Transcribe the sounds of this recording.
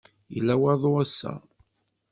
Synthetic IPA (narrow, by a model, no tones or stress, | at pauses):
jə̰lːæwæðˤoæsːæ̰